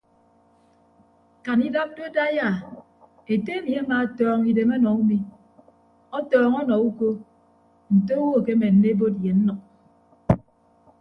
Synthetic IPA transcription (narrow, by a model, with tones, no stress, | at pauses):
ka˨ni˦da˦p̚do˦da˦ja˦˨ | e˨te˦e˦mi˨a˦ma˨tɔː˦ŋi˨de˨mɔ˦nɔ˨u˦mi˦ | ɔ˦tɔː˨ŋɔ˦nɔ˨u˦ko˦ | n̩˨to˦wo˦˨ke˦me˨n̩ː˨˦e˦e˦bo˦t̬̚je˨n̩˦nɔ˨k̚